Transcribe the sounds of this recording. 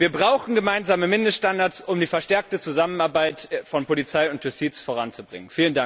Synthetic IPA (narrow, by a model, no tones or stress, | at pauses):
viːɐbʁaʊxn̩ɡəmaɪnzaːməmɪndəstʃtandaɐsʊmdiːfɛɐʃtɛɐk̚tət͡suzamənaɐbaɪtfɔnpolit͡saɪʊntjʊstʰiːt͡sfoːʁ̞ant͡subʁɪ̰ŋənfiːləndaŋ